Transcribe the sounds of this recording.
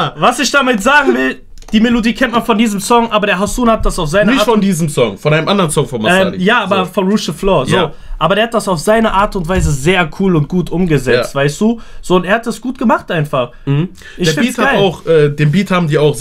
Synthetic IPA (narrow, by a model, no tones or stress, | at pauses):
vasɪçd̥amɪtz̥aːɡŋ̩vɪl | d̥iːmelodiːkʰɛnt̚manfɔndiːzəmsɔŋʔaːbɐɾeːɐɦasuːnhat̚d̥asaʊfz̥aɪnənɪçfɔndiːzəm̩sɔŋfɔnʔaɪnəmʔandɐʁənsɔŋfɔnmaɛːmjaːaːbɐfɔnʁuʃəflɔːɐjoː | ʔaːbɐdeːɐhat̚d̥asaʊfz̥aɪnəʔaːɐtʊntv̥aɪzəzeːɐkʰuːlʊnt̚ɡ̥uːtʔʊmɡəzɛt͡stv̥aɪstd̥uːz̥oːʊnteːɐhat̚d̥asɡ̥uːtɡ̥əmaχtʔaɪnfaχ̩h̩ | dɪç̥ːɐfɪnːthaaʊxʔɛːdeːnbiːthaːbm̩diːɐaʊx